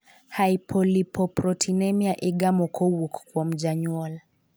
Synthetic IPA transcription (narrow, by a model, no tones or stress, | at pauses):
haipʰɔlipɔpɾɔtʰinɛmiaʔiɡamɔkʰɔwukkwam̩d͡ʒaɲwɔl